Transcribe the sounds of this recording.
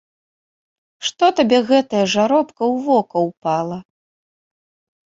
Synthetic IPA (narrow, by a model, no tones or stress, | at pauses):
ʂt̪ɔt̪abʲɛɣɛt̪ɐjɐʐaɾɔpkɐwvɔkɐwpalˠɐ